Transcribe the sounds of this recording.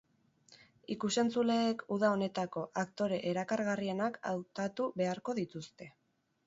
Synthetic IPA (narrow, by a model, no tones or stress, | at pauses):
ikuse̞nt͡sule̞ːkuðao̞ne̞t̪ako̞ʔakt̪o̞ɾe̞ʔeɾakaɾɣarie̞nakʰa̰wt̪at̪uβe̞aɾko̞ðit̪ust̪e̞